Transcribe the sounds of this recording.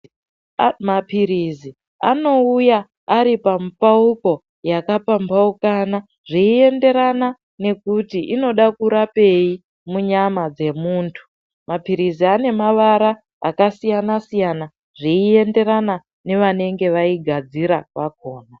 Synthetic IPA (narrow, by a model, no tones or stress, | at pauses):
mapiɾizi | a̰no̞ujaː | ɾipamupauko̞ | jakapambaukana | ʐiːe̞nde̞ɾana | ne̞kutiʔino̞ɗakuɾape̞i | muɲamad͡ze̞muːntʰu̥ | mapiɾiziane̞maʋaɾa̰ː | kasijanasijana | ʐ̥iːe̞nde̞ɾana | ne̞ʋane̞ŋɡe̞ʋaiɡʱad͡ziɾaʋako̞ːna